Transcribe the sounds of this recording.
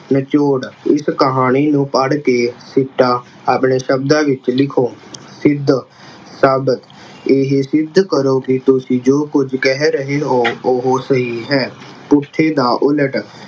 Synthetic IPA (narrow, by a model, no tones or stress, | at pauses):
nət͡ʃoːɽɪskəɦaːɽ̃iːnũːpəɽkeːsɪʈːaː | aːpɳeːʃəbd̪ãːʋɪt͡ʃlɪkʰoːsɪd̪ | saːbət̪ | eːɦsɪd̪kəɾoːkɪt̪ʊsĩːd͡ʒoːkʊd͡ʒkɛɦɛɾəɦeːɦoːoɦoːsəɦiːɦɛː | pʊt̪ʰːeːd̪ãːʔʊləʈ